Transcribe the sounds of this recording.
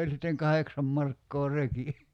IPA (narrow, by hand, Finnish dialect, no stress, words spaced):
olʲ sitːeŋ kɑheksɑm mɑrkːoː reki